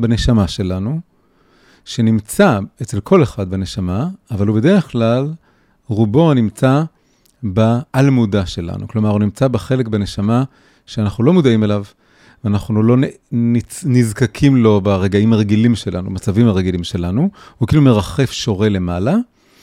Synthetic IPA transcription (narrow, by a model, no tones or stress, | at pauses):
bene̞ʃamaʃe̞lanu | ʃenimt͡saet͡se̞lkʰo̞leχad̪̚bene̞ʃamaːvalube̞d̪eʁeχklal | ʁubo̞nimt͡sa | baːlmud̪aʃe̞la̰nṵklo̞maʁunimt͡sabeχe̞lekbene̞ʃama | ʃeanaχnulo̞mud̪aime̞lav | veanaχnulo̞nninizkakʰimlo̞baʁeɡaimaʁe̞ɡilimʃe̞lʔa̰numat͡savimaʁeɡilimʃe̞lanuhukilume̞ʁaχe̞fʃo̞ʁe̞le̞mala